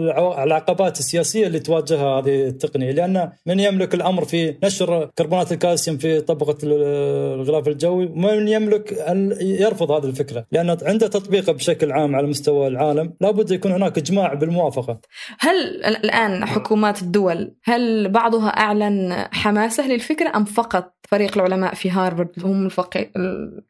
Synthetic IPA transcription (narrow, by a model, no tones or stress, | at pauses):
ʕlʕaqɑbaːt̪ɪsːɪjaːsɪjːalːiːt̪waːd͡ʒɪɦahaːðit̪ːɑqnɪjalɪʔanːamɪnjɪmlɪkɪlʔamɾfinaʃɾkɑɾˤbuːnaːt̪ɪlkaːsɪmfit̪ˤɑbqɑ | ɣɪlaːfɪld͡ʒawːiwmɪnjɪmlɪkʔanjɑɾˤfʊðˤhaːðilfɪkɾalɪʔanːʕɪnd̪at̪ɑt̪ˤbiːqɑbʃaklʕaːmʕalamʊst̪awalʕaːlamlaːbʊd̪ːjakuːnhɪnaːkʔɪd͡ʒmaːʕbɪlmʊwaːfɑqɑ | halɪ̰lʔaːnħʊkuːmaːt̪ɪd̪ːʊwalhalbɑʕd̪ˤɦa̰ʔaʕlanħamaːsalɪlfɪkɾaʔamfɑqɑt̪̚ˤfaɾiːqɪlʕʊlamaːʔfiɦɑːɾˤbɑd̪hʊmɪlfɑqḭː